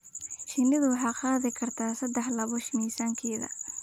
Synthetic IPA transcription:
ʃɪnɪðʊwɑħɑːqɑːðɪkʰɐrt̪ʰaːsɐd̪ɛħlɐβɔʃmiːsaːŋkʰɛːðɐ̰

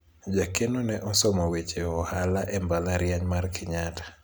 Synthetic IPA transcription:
d͡ʒakenonɛʔɔsɔmɔwet͡ʃeɔhalaʔɛmbalaɾjaɲmarkɪɲatḁ

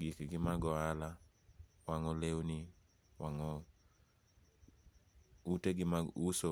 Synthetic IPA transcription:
ɡikɡɪmaɡɔala | waŋɔlewni | waŋɔ | uteɡɪmauso

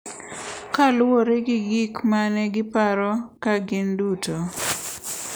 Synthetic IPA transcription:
kalwoɾeɡɪɡikmanɛɡɪpaɾɔkaɡɪnduto

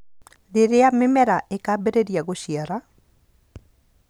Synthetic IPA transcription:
ðɪɾeamɪmɛɾaʔekabeɾeɾiaɣoʃiaɾa

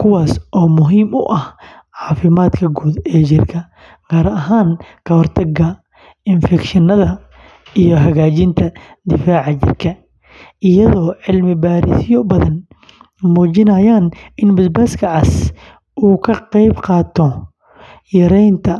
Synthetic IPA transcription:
kʰʊwaːsʔɔːmʊɦiːmʊ̰ʔɐh | ʕɑːfɪmaːd̪kʰɐɡuːd̪ɛːt͡ʃɪrkʰɐ | ɡ̥aːɾɐʔɐɦaːŋkʰɐhɔrt̪ʰɐɡɐ | ɪnfɛkʃɪnɐðɐ | ijɞɦɐɣaːt͡ʃɪnt̪ʰɐ | d̪ɪfaːʕɑt͡ʃɪ̰rkʰɐ | ʔɪjɐðɔːʕɪlmɪbaːɾɪsjɔbɐðɐn | muːt͡ʃɪnɐjaːnɪnbɐd̪bɐːskʰɐʕɑs | ʔuːkʰɐqɛjbqɑːt̪ʰɔ | jɐɾɛjnt̪ʰɐ

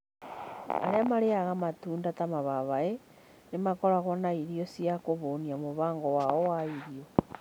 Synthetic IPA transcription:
a̰ɾeamaɾeaɣamatuːndatamaβaβae | nemakoɾaɣonaiɾiosiakoβoːniamoβaːŋɡɔwaowaiɾio

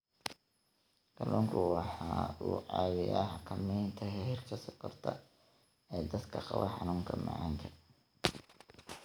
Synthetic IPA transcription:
kʰɐlɔːŋkʰʊwɑħɑːuːʕɑːwɪjaːħɑkʰɐmɛjnt̪ʰɐɦɛɦɪrkʰɐsɐqɐrt̪ʰɐ̰ | ɛːd̪ɐd̪kʰɐqɑβɐ̰ħɑnuːŋkʰɐmɑ̰ʕɑŋkʰɐ

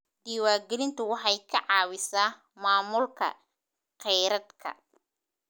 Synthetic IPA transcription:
d̪iːwaːɡɛlɪnt̪ʰʊwɑħɑjkʰɐʕɑːwɪsaː | maːmʊlkʰɐ̰ | qɛjɾɐd̪kʰɐ̰

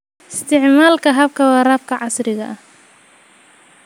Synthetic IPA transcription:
ɪst̪ʰɪʕmaːlkʰɐɦɐb̚kʰɐwɑːraːbkʰɐʕɑsrɪɣɐ̰ʔɐh

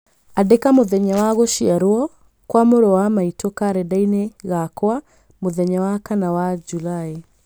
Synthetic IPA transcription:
adɛkamoðɛɲawaɣɔʃiaɾɔɔ | kwamoɾɔwamaitɔkaɾɛdainɛɣakɔa | moðɛɲawakanawad͡ʒulai

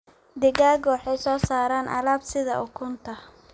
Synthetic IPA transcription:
d̪ɪɣaːɡɔwɑħɛjsɔːsaːɾaːnʔɐ̰laːbsɪðɐ̰ʔʊkʰʊnt̪ʰɐ

